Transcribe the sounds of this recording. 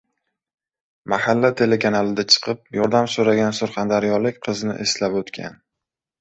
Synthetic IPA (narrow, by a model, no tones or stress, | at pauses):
mahalːat̪ʰe̞lekʰanalɪd̪at͡ʃʰɨ̥qʰɨp̚jɒɾd̪amsoɾaɡʲansʊɾχand̪aɾijɒlɪkʲqʰɨznɪ̰ʔeslapɵt̪kʲʰa̰n